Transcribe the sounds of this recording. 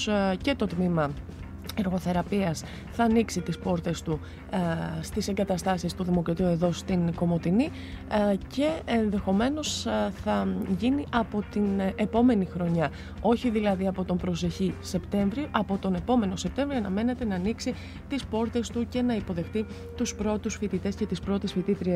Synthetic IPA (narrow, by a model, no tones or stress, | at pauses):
ce̞t̪o̞t̪mimɐ | eɾɣo̞θe̞ɾɐpiɐs | θɐːniksit̪ispo̞ɾt̪e̞st̪u | st̪ise̞ŋɡɐt̪ɐst̪ɐsist̪uðimo̞kɾɐt̪iue̞ðo̞st̪inɡo̞mo̞t̪ini | ce̞ːnðe̞xo̞me̞no̞sθɐʝiniʔɐpo̞t̪inepo̞me̞nixɾo̞ɲɐ | o̞çiðilɐðiɐpo̞t̪o̞mbɾo̞s̬e̞çise̞pt̪e̞ɱvɾioʔɐpo̞t̪o̞ne̞po̞me̞no̞sep̚t̪e̞ɱvɾioɐnɐme̞ne̞t̪e̞nɐːniksi | t̪ispo̞ɾt̪e̞st̪uce̞nɐipoðe̞xt̪i | t̪uspɾo̞t̪usfit̪it̪e̞sce̞t̪ispɾo̞t̪esfit̪it̪ɾie